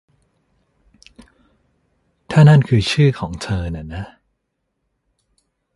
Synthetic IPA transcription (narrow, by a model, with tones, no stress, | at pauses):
t̪ʰaː˥˩na˥˩˨nkʰɯː˧t͡ɕʰɯː˥˩kʰɔː˩˦ŋt̪ʰɤː˧na˨˩na˦˥